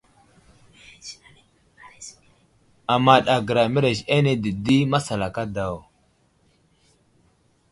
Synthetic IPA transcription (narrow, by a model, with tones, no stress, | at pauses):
a˨ma˦ɗa˨ɡə˨ɾa˨mi˦ɾe˨ʃa˦ne˦di˨di˦ma˦sa˨la˨ka˦da˨w